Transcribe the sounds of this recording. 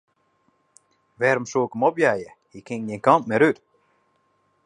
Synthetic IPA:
ʋɛːɾɔmsoːkəmɔpjaːjə | jikʰɪŋnjɛnkɔmp̚mɛɾyt

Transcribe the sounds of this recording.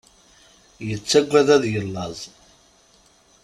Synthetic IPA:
jət͡sːæɡʷæðæðjəlːɑzˤ

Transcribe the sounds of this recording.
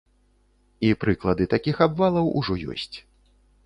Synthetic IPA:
ipɾɨklˠɐd̪ɨt̪akʲixabvalˠɐwṵʐɔjɔ̰sʲt͡sʲ

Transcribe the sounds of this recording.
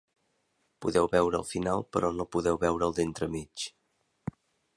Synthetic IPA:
puðɛwβɛwɾəːlˠfinalˠpəɾʔɔnopuðɛwβɛwɾəːlˠd̪ent̪ɾəmit͡ʃ

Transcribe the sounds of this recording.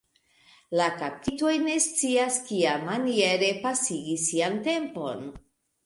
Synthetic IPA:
lakap̚tito̞jne̞st͡siaskiamːanie̞ɾe̞pasiɡisːiante̞mpo̞̰n

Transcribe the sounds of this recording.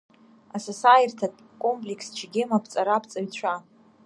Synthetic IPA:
asasajirtʰatʼ | kʼompʼlʲekʰst͡ʃʰɡʲɪmapʰt͡sʼaɾapʰt͡sʼaɥt͡ɕʷʰa

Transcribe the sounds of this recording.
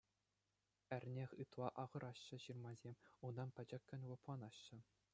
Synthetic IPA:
ɘ̆rʲnʲexʲɯt̪lˠɑʔɑʁɤ̆ɾʔɑɕːɤ̆ɕɯrmɑzʲemʲund̪ɑnpʲɘ̆d͡ʑɘ̆kʲːɘ̆nʲlˠɤ̆plˠɑnɑɕːɘ̆

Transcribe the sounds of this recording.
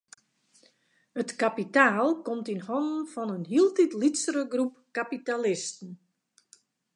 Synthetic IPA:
hətkapitaːlˠkomtinhɔnn̩fɔnənɦiəlˠtitlitsəɾəɡrup̚kapitalɪstn̩

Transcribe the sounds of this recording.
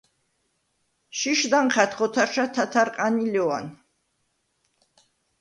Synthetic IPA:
ʃiʃd̪anχat̪χɔt̪ʰaɾʃat̪ʰat̪ʰaɾqʼanilɛwa̰n

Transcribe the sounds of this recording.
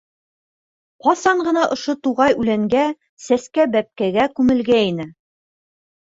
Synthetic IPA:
qɑsɑɴɢɤ̆nɑʔŏʃot̪uʁɑjʉlæŋɡæ | sæskæbæp̚kæɡækʉmɘ̆lɡæinɘ

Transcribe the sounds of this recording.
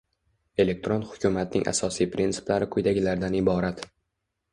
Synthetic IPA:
e̞le̞k̚t̪ɾonhʊkʲʰumat̪̚nɪ̰ŋʲʔa̰sɒsijpɾint̪ʰɪ̥plaɾɪkʰʊjd̪aɡʲɪlaɾd̪anɪbɒɾat̪

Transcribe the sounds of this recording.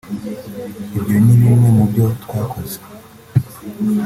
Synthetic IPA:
ebjoniβine̞mubjotwaːkʰo̞ze̥

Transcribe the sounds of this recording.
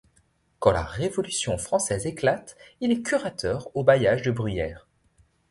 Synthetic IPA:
kɑ̃la̰ʁevɔlysjɔ̃fχɑ̃sɛzeklat̪ilɛkʲyʁat̪ʰœʁobajaʒd̪əbʁyjɛːʁ

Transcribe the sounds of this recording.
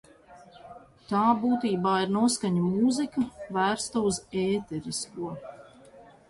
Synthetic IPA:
t̪aːbuːt̪iːbaːiɾnuɔskaɲumuːzikɐvæːɾst̪auzɛːt̪ɛɾiskuɔ

